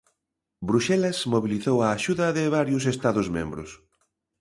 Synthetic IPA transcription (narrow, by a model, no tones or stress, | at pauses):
bɾuʃɛlɐsmoβiliθowɐːʃuðɐðɪβaɾjʊs̬est̪aðozmḛ̃mbɾʊs